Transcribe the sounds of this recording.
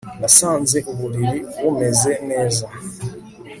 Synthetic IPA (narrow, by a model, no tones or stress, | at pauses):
nasaːnzeʔuβuɾiɾiβomezɛnɛːza